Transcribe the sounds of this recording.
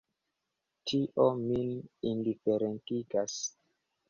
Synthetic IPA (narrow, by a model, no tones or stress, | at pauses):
tʰiʔominindifeɾentiɡas